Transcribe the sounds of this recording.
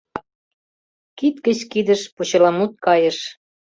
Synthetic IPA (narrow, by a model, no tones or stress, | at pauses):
kit̪kə̆t͡ɕkid̪ə̆ʃput͡ɕɤ̆lɑmut̪̚kɑjə̆ʃ